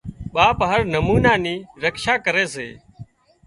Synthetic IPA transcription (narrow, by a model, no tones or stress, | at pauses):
ɓaːpɦəɾnəmuːnaːniːɾəkʃaːkəɾeːsḛː